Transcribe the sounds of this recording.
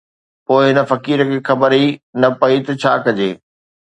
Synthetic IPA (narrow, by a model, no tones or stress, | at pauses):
poːɪɦɪnə̆fɐkiːɾəkʰeːxɐbəɾinɐpɐit̪ɐt͡ɕʰaːkɐd͡ʑḛː